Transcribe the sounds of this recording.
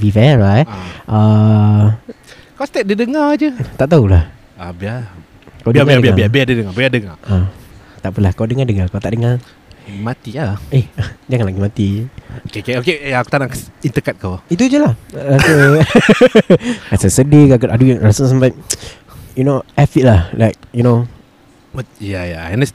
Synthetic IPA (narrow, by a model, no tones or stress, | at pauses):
vifɛɹajtʔa | kawst̪ɛt̚dədəŋad͡ʒət̪aʔt̪aulah | abia | kawdəabaiadəbiaaiabiadədəŋabiadəŋaʔat̪aʔpunlahkawdəŋadəŋakawt̪aʔdəŋa | mat̪iaehd͡ʒaŋanlaɡimat̪iokekeokejaaku̥t̪anakint̪əkat̪̚kawit̪̬ud͡ʒəlahasə | asəsədikakəʔaduɛŋɹasəsampa | junoʔɛfit̚lahlaɪk̚juno | wt̚jajaɛnəs